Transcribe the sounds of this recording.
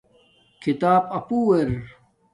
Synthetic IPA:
kʰit̪aːpɐpuːeɾ

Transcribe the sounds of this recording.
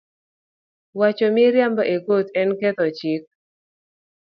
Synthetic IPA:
wat͡ʃɔmɪɾjambaʔeɡot̪ɛnkɛt̪ɔt͡ʃik̚

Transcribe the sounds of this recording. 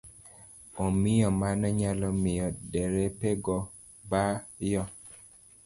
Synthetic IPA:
omɪjɔmanɔɲalɔmɪjɔdɛɾepeɡɔ | bajɔ

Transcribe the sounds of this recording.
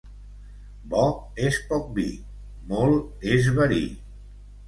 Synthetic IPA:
bɔespɔk̚bḭ | molˠezβaɾḭ

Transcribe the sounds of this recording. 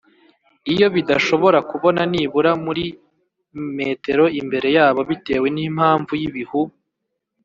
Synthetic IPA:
ijo̞βidaʃo̞βo̞ɾakuβo̞naniːβuɾamuɾi | meːte̞ɾo̞imbe̞ɾe̞jaːβo̞βite̞ːwe̞niːm̥haːɱvujiβihu

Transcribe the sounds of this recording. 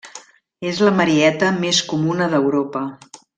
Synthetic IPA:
ezləməɾiɛt̪əmeskumunəðəwɾopə

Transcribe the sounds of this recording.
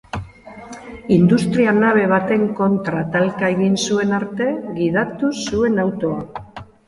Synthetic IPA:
ind̪ust̪ɾianaβ̞e̞β̞at̪e̞ŋko̞nt̪ɾat̪alkae̞ɣinsue̞naɾt̪e̞ɣiðat̪usue̞nawt̪o̞a

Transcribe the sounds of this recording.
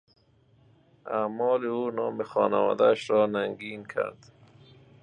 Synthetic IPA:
aːmɔːliuːnɒːmixɔ̰ːnawɒ̰ːd̪aʃɾɔːnaŋɡiːnkʰa̰ɾd̪

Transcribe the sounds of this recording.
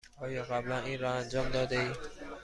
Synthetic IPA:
ɒːjɒːɣæblæniːnɾɒænd͡ʒɒːmd̪ɒːd̪eiː

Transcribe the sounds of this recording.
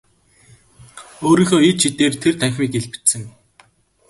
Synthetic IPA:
oːɾiːxoːit̪t͡ɕʰit̪eːrt̪ʰert̪ʰæŋxʲmiːkeɮpɘ̥̆t͡ɕsɘ̆ŋ

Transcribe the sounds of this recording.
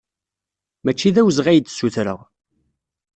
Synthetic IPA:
mæt͡ʃːiðæwzʁæjd̪suθɾə̰ʁ

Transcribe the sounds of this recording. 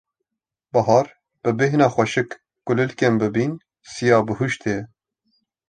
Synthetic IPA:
bɑɦɑːɾ | b̥ɨbɪɦnɑːxʷɛʃɨkː | ʊlɨlkʲembɨbiːn | sijɑːbɨhuʃt̪ʰe

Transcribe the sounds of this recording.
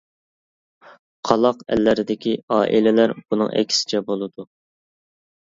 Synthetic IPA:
qʰɑlˠɑqæ̰lːɪɾɪd̪ɪkʲiɑːʔilɪlæɾbunɨ̰ŋʔɛ̰kʲʰːi̥sɪ̥t͡ʃʰɛbolˠɨd̪u

